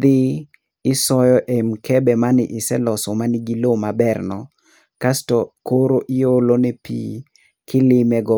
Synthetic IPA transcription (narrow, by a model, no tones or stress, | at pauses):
d̪ɪː | sɔjɔʔemkʰɛbɛmanɪʔɪsɛlɔsɔmanɪɡilomabɛrnɔ | kastɔkoɾoʔɪjolonɛpḭ | kʰɪlɪmɛɡɔ